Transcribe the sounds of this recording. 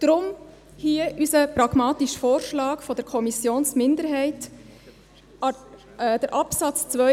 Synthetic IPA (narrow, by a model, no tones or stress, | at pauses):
d̥ɾʊm | hiəʔysəpɾɑɡ̥mɑːtiʃfoːɾʃlɑːkfɔdəɾkʰɔmisjoːnsmɪnd̪əɾɦɛɪt | d̥əɾʔɑpsɑt͡st͡sʋœ